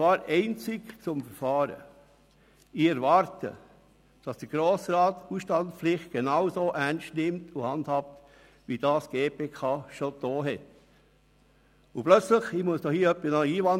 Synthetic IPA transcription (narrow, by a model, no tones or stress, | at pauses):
vɑːɾɛɪnt͡sɪkt͡sʊmfəɾfɑːɾə̰ | ɪɛɾvɑɾtə̰ | d̥ɑsd̥əɡ̥ɾoːsɾɑːtuːsʃtɑntpflɪχt̚ɡ̥enɑwsoːʔænʃtnɪmtʰʊhɑndhɑp̚t | ʋid̥ɑːsɡ̥eːpeːkʰɑːʃod̥oːɦɛt | ʊplœt͡slɪχimuəsd̥ohiːœpːisnɑiːvɑn